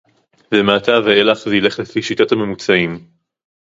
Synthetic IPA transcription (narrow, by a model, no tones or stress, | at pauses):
vemaataveelaχzeile̞χlefiʃitathame̞mut͡saim